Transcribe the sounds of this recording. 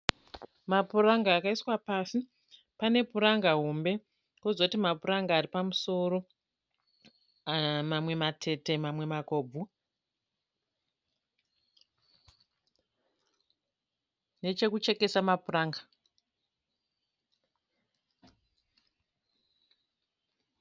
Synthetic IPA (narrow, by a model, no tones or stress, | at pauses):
mapuraŋɡaːkaiswapaːsi | pane̞puɾaŋɡaɦombe̞ | kozoutimapuɾaŋɡaːripamuso̞ɾo̞ | mamwe̞matʰe̞te̞mamwe̞mako̞ːb͡vʱu | ne̞t͡ʃe̞kut͡ʃe̞ke̞samapuraːŋɡa